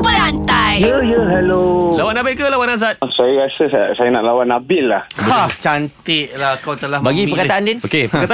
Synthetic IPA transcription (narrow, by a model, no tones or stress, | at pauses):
pəlant̪ajjəjəɦɛlolawanabɪʔkəlawanazat̪̚sajəɾasəsasajənaʔlawanabɪʔlːahat͡ʃant̪ɪʔlakawt̪əlahbaɡipəkat̪aʔandinokepəkat̪a